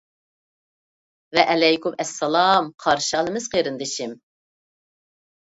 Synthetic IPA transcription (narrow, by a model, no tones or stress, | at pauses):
vɛʔɛlɛjkumɛsːɛlˠɑmqʰɑɾʃɑlˠɨmɨz̥qʰeɾɨnd̪ɪʃim